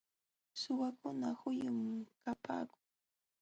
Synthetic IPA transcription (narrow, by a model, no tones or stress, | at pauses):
sʊwakʊnahʊjʊmkapa̰ːkʊŋ